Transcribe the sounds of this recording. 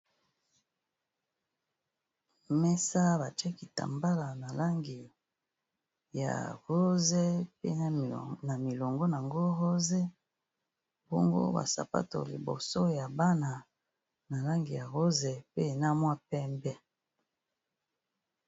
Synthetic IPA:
mɛ˦sa˦ba˨t͡ʃɛ˦ki˨ta̰˨mba˦la˨na˨la˦ŋɡi˨ | ja̰˨ɣo˦ze˦pḛ˦na˨mi˨lo˨ŋɡo˦na˨ŋɡo˦ɣo˦ze˦ | bo̰˦ŋɡo̰˦ba̰˨sa̰˨pa̰˦to̰˨lḭ˨bo̰˨so˦ja˨ba˦na˨ | na˨la˦ŋɡi˨ja˨ɣo˦ze˨pe˦˨na˦mwa˦pɛ˦mbɛ˦

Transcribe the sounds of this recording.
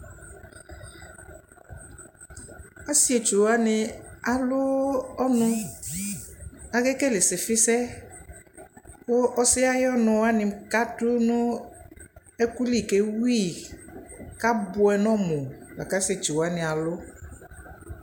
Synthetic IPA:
a˦si˦e˨t͡ʃu˨wa˦nɪ˧a˨lʊ˦ɔ˦nʊ̃˧ | a˨ɡe˦ke˦le˨sɪ˨fɪ˦sɛ˦ | wo˦ʔɔ˦sɪ˦a˦jɔ˦nʊ̃˧wa˦nɪ̃˧m̩˦ka˦tʊ˦nʊ̃˦ | ɛ˦ku˦li˦˨ke˨wi˦˨ | ka˦bʊ˦ɛ˧˨nɔ̃˦mʊ˨la̰˨ka˦si˦e˨t͡ʃu˨wa˦nɪ˨a˨lʊ˦

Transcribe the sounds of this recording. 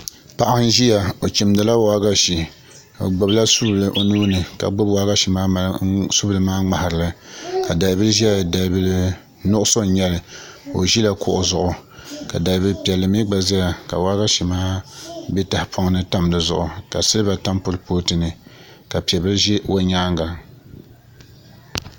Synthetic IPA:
pa˦ʔa˦n˦ʒi˦ja˨o˨t͡ʃi˨mdɨ˨la˦wa˦ɡa˦ʃi˨ | o̰˨ɡ͡bʊ˨bla˦su˦blɨ˨˦ʔo˨nuː˦nɨ˨ka̰˨ɡ͡bʊ˦bwa˦ɡa˦ʃi˨maː˦su˦bɨ˨lɨ˨˦maː˦ŋ͡ma˨ha˨ɾɨ˨la˦ka˨da˨lbɨ˦lʒa˨da˨lbɨ˦lɨ˦ | nʊ˦ʔʊ˦so˦ɲɛ˦lɨ˨o̰˨ʒi˦la˦kʊ̰˨ʔʊ˨zʊ˨ʔʊ˨ka˨da˨lbɨ˦lpɛ˨lːɨ˨mi˦ɡ͡ba˨za˦ja˨ka̰˨wa˦ɡa˦ʃi˨maː˦bɛ˦ta˨hɪ˨pʰo˦ŋ˦nɨ˦ta˦m˨dɨ˨zʊ̰˨ʔʊ˨ka˨sɨ˦lɨ˦ba˨ta˦mpʊ˦ɾɨ˦poː˦tɨ˨nɨ˨ | ka˨pi˨ɛ˨bɨ˦lɨ˦ʒɛ˦o˦ɲaː˦ŋɡa˨

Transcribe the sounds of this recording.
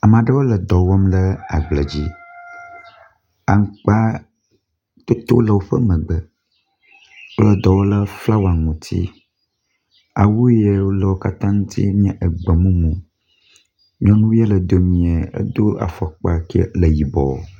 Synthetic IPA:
a˨mã˨ɖə˦wo˦lə˨d̪ɔ˨wɔ˦mlə˦a˨ɡ͡blə˨d͡ʑi˦ | a˨ŋ˦k͡pa˦ | t̪o˦t̪o˦lə˨wo˦ɸə˦mə̃˨ɡ͡bə˨ | wo˦lə˨d̪ɔ˨wo˦lə˦fla˦wa˨ŋũ˨t̪ʰḭ˦ | a̰˨wu˦je˦wo˦lə˨wo˦ka˦t̪ã˦ŋũ˦t̪ʰḭ˦mĩ˦ã˦ʔə˨ɡ͡bə˨mũ˦mũ˨ | mĩ˦ɔ̃˦nũ˦we˦lə˨d̪o˨mĩ˨e˨ə̰˦d̪o˦a̰˨fɔ˨k͡pa˨kḛ˦lə˨ji˨bɔ̰˨

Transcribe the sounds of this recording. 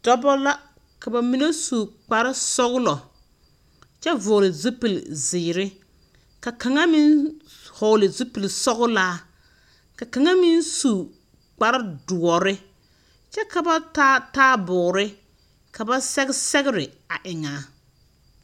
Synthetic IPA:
d̥ɔ˦bɔ˦la˦ | ka˨ba˨mi˦ne˦su˨k͡pa˨ɾɪ˦sɔ˦ɣlɔ˨ | t͡ʃɛ˦vʊ˨lɪ˨zu˦pi˨lzɪː˨ɾɪ˦ | ka˨ka˨ŋa˦mi˦n | hɔ˨lɪ˨zu˦pi˨lsɔ˦ɣʊ˦laː˦ | ka˨ka˨ŋa˦mi˦nsu˨ | k͡pa˨ɾa˦dʊ˨ɔ˨ɾɪ˦ | t͡ʃɛ˦ka˨ba˦taː˦taː˦bʊ˨ɾɪ˦ | ka˨ba˦sɛ˦ɡɪ˦sɛ˦ɣɪ˦ɾɪ˨ | a˨ʔɪ˨ŋaː˨˦

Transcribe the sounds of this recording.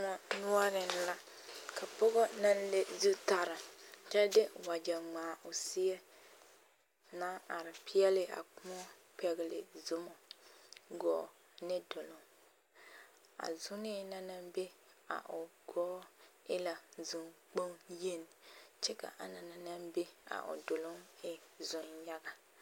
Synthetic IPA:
ma˦nu˦ɔ˦ɾɪ˨n˦la˦ka˨pɔ˦ɣɔ˦na˦n˦le˦zu˦ta˨ɾɪ˨t͡ʃɛ˦de˦˨wa˨d͡ʒa˨ŋ͡maː˨ʔʊ˨si˦jɛ˦ | na˦ʔa˨ɾɪ˨pi˦jɛ˦lɪ˦a̰˨kʊ˦mɔ˦pɛ˨ɡɪ˨lɪ̰˨zʊ˦mɔ˨ | ɡɔ̰ː˨ | nɪ˦dʊ˨lʊ˦ŋ | a̰˨zʊ˦nɪ˦na˦na˦mbe˦ | a̰˨ʔʊ˨ɡ̥ɔː˦ | ɪ˦la˨zu˨ŋk͡po˦ŋje˦n˨t͡ʃɛ˦ka̰˨ʔa˨na˨na˨na˦mbe˦a̰˨ʔʊ̰˨dʊ˨lʊ˦ŋɪ˦zʊ˨nɲa˦ɡa˦

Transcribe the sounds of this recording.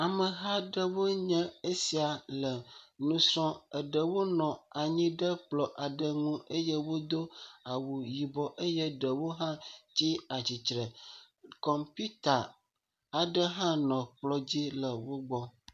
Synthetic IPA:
a˨mə˨ɦa˦ɖə˦wo˦ɲə̃˦e˦si˨a˨lə˨nũ˦sɔ̃˦ə˨ɖə˨wo˦nɔ̃˨a˨ɲĩ˦ɖə˦k͡plɔ˨ʔa˨ɖə˦ŋũ˦ə˦jə˦wo˦d̪o˦a˨wu˨ji˨bɔ˨ʔə˦jə˦ɖə˨wo˦ɦã˦t͡ɕi˦a˨t͡ɕi˨t͡ʃɾə˨ | kɔ˨mpi˦t̪a˨ | a˨ɖə˦ɦã˦nɔ̃˨k͡plɔ˦d͡ʑi˦lə˨wo˦ɡ͡bɔ˦

